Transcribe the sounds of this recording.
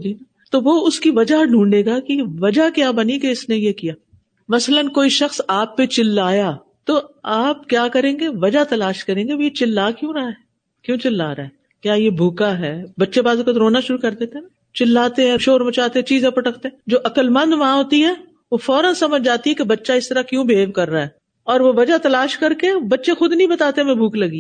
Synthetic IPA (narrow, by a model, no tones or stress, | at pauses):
d͡ʒiːna | t̪oʋoʊskiʋɐd͡ʒaɖʱũːɳɖeːɡakiʋɐd͡ʒakjaːbɐnikeɪsnejekijaː | mɐslənkoːiʃɐxsaːpːet͡ʃɪlːaːjaː | t̪oːaːp̚kjaːkɐɾẽːŋɡeʋɐd͡ʒat̪ɐlaːʃkɐɾẽːŋɡeʋojet͡ʃɪlːaːkjõːɾɐɦaɦɛ | kjõːt͡ʃɪlːaːɾaɦɛ | kjaːjebʱuːkaɦɛːbɐtːʃebaːzkot̪ɾoːnaʃʊɾukɐɾd̪eːt̪eɦɛ̃na | t͡ʃɪlːaːt̪eɦɛ̃ʃoːɾmɐt͡ʃaːt̪eɦɛ̃t͡ʃiːzẽpɐʈəkt̪eɦɛ̃d͡ʒoːʔɐkəlmɐ̃nd̪ʋaãɦoːt̪iɦɛː | ʋofɔːɾənsɐməd͡ʒʱd͡ʒaːt̪iɦɛkebɐtːʃaɪst̪ɐɾakjũːbʱeːʋkɐɾːaːɦɛː | ɔːɾʋoʋɐd͡ʒat̪ɐlaːʃkɐɾkebɐtːʃẽxʊd̪nəĩbɐt̪aːt̪eɛmɛ̃bʱuːklɐɡi